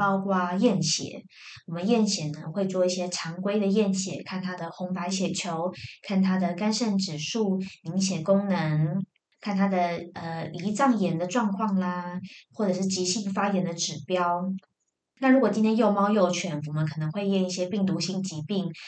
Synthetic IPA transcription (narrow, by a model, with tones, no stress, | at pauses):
pɑ˥ʊkwa˥jɛ˥˩nɕjɛ̰˨˩˦ | wɔ˨˩mə˦njɛ˥˩nɕjɛ˨˩nə˧˦ŋxwe˥˧ɪt͡swɔ˥˧i˥˩ɕjɛ˥ʈ͡ʂʰɑ˧˥ŋkwe˥ɪd̪ə˨jɛ˥˩nɕjɛ̰˨˩˦kʰa˥˩nt̪ʰa˥d̪ə˨xʊ˧˥ŋpa˧˥ɪɕjɛ˨˩t͡ɕʰjo˧˥˦ʊkʰa˥˩nt̪ʰa˥d̪ə˨ka˥nʂə˥˩nʈ͡ʂɻ̩˨˩ʂu˥˩mi˧˥ŋɕjɛ˨˩ŋkʊ˥ŋnə˧˦ŋ | kʰa˥˩nt̪ʰa˥d̪ə˨ə˧li˧˥t͡sɑ˥˩ŋjɛ˧˥nd̪ə˧ʈ͡ʂwɑ˥˧ŋkʰwɑ˥˩ŋlə˩xwɔ˥˩ʈ͡ʂɤ˨˩ʂɻ̩˥˩t͡ɕi˧˥ɕi˥˩ŋfa˥jɛ˧˥nd̪ə˧ʈ͡ʂɻ̩˨˩pjɑ˥ʊ | na˥˩ɻu˧˥kwɔ˨˩t͡ɕi˥nt̪ʰjɛ˥njo˥˧ʊmɑ˥ʊjo˥˩ʊt͡ɕʰɥɛ˧˥nwɔ˨˩mə˦ŋkʰɤ˨˩nə˧˥ŋxwe˥˧ɪjɛ˥˧ŋi˥˩ɕjɛ˥pi˥˩ŋt̪̬u˧˥ɕi˧˥ŋt͡ɕi˧˥pi˥˩ŋ